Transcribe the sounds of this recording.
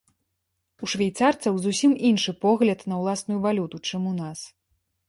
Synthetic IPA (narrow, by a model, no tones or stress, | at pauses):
uʂvʲajt̪sart̪sɐwzusʲiminʂɨpɔɣlʲɐt̪nɐwlˠasnujuvalʲut̪ut͡ʂɨmunas